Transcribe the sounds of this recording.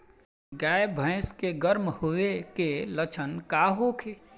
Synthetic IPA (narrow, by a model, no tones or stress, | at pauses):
ɡaːjbʱə̃ːskeɡəɾmhʊekelət͡ʃʰənkaːɦokʰeː